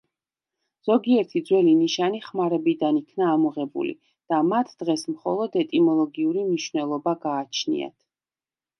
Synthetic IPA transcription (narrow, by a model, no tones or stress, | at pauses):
z̥ɔɡiɛɾt̪ʰid̪zwɛliniʃaniχmaɾɛbid̪anikʰnaːmɔʁɛbṵlḭ | d̪̥amat̪ʰd̪̥ʁɛsmχɔ̰lˠɔd̪ɛt̪ʼimɔlˠɔɡiuɾimniʃvnɛlˠɔbaɡaːt͡ʃʰnḭa̰t̪ʰ